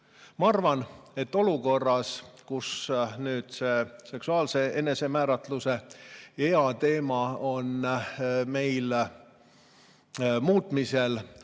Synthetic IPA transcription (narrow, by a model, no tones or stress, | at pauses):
mɑɑrvɑne̞t̪ːo̞luko̞rːɑskusnyːd̪̥se̞se̞ksuɑːlse̞ʔe̞ne̞se̞mæːɾɑt̪luse̞eɑt̪e̞ːmɑon | me̞jl | muːt̪ˑmise̞l